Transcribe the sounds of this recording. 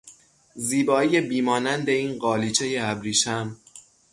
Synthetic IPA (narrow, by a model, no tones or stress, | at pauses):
ziːbɒːije̞biːmɒːnænd̪e̞iːnɢɒːliːt͡ʃʰe̞jeæbɾiːʃæm